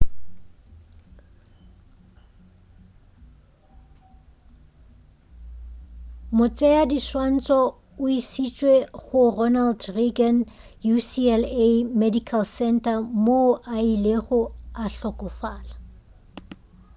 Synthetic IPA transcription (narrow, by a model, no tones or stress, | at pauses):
mʊt͡sʼɛadiswan̩t͡sʼɔ | ʊisit͡ʃʼweɣʊrɔnaldriɡan | jusiɛlemedikʰalsɛntʼamoʔaileχʊaɬɔkʼʊfaːla